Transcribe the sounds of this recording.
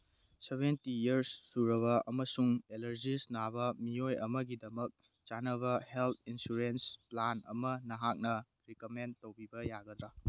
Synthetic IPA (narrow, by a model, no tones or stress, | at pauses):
sebentijɐɾsːuɾɐβɐʔɐmɐsuŋelɐɾd͡ʒisnabɐmiojɐmɐɡidɐmɐk̚ | t͡ʃanɐβɐhelt̪ʰinsuɾensplanɐ̰mɐnɐɦak̚nɐ | ɾikomentowbibɐjaɡɐd̪ɾa